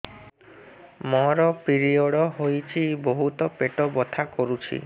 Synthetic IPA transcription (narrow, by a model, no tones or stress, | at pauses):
mɔɾɔpiɾiɔɽɔɦojt͡ʃʰiboɦut̪ɔpeʈɔbɔt̪ʰakɔɾut͡ʃʰḭ